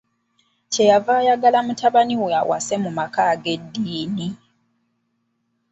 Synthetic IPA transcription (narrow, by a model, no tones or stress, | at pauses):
ce̞javaːjaɡalamutʰaβaniweawʔa̰se̞mumakaːɡe̞dːiːni